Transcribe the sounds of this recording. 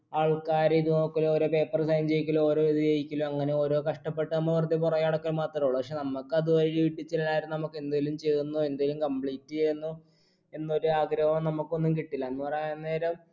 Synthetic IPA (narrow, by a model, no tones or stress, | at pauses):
aːɭkaːɾiðunɐkːɐlo̞ːɾo̞ːpe̞ːpːɐrsɐjnt͡ɕe̞jikʲːɐlooːɾo̞ːiðɨjejikʲːɐloɐŋːɐne̞o̞ːɾo̞ːkɐʂʈɐpːe̞ʈːɨnɐmːɐʋɐrɐd̪ːipurɐjaːɽɐkːɐlmaːt̪rɐtuɭupɐkʂenɐmːɐkːɨɐðuʋɐɻiiʋiʈːit͡ɕːɐlɐlaːjɾnnɐmukːɨe̞nd̪aːjlumt͡ɕe̞jt̪unːue̞nd̪aːjilumkɐmpɭiːtːiejnːu | e̞nːo̞ɾuaːɡɾɐʋɐmnɐmukːo̞nːumkiʈːilːɐɐnːupɐreːɐnne̞ːɾɐm